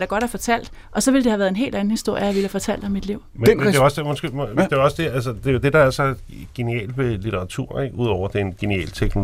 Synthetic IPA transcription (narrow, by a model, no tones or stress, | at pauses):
d̥ɑ̈ɡ̥ɒ̽ɾ̥æɐfɒ̽t͡sʰæl̰d̥ | ʔɒ̽sɒ̽ʋe̝ld̥ehæʋæɐðˠe̝nɦe̝̰ːld̥æn̩hisd̥o̝ɐ̰jəjɑʋe̝læfɒt͡sʰæl̰d̥ɒ̽mid̥liʊ̰mede̝ɒsemosɡ̥e̝md̥e̝ɒ̽sd̥e̝ælsəd̥e̝o̝d̥e̝d̥ɑ̈æɐsɒ | ɡ̥e̝niɛ̰ːlʋelit͡sʰeʁɑ̈t͡sʰṵɐ̰eɡ̥uð̞ˠɒʊ̰ɐd̥e̝nɡ̥e̝niɛ̰ːlt͡sʰeɡ̥no